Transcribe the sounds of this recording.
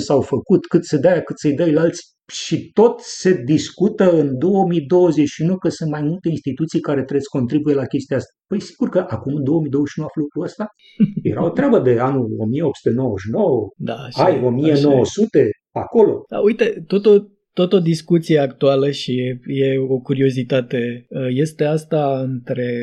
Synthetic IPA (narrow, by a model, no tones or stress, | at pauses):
sawfəkut̪kɨt̪sed̪ajakɨt̪sejd̪əjlalt̪sʲ | ʃit̪o̞t̪se̞d̪iskut̪əɨnd̪o̞wəmid̪o̞wəze̞t͡ʃʃunowkəsɨnt̪majmult̪e̞inst̪it̪ut̪sijkaɾe̞t̪ɾesko̞nt̪ɾibujelakʲe̞st̪iaast̪apəjsi̥ɡurkəʔakumɨnd̪o̞oəmid̪ozeʃʲiunuaflukɾuəst̪a | je̞̰ɾao̞t̪ɾʲeabəd̪e̞anulo̞̰mieo̞p̚su̥t̪enowəʃinowəd̪aajo̞mieno̞wəsut̪e̞ | ako̞lo̞̰d̪a̰ujt̪e̞t̪ot̪o | t̪ot̪od̪iskut̪sijeakt̪ualəʃije̞o̞kuɾio̞zit̪at̪eəje̞st̪e̞ast̪aɨnt̪ɾe̞